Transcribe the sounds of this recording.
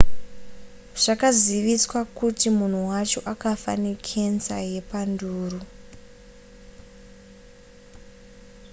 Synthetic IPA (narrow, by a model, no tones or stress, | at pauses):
ʐ̥akaziʋiswakutimun̤uwat͡ʃo̞ʔakafa̰nekʰensa̰je̞panduːru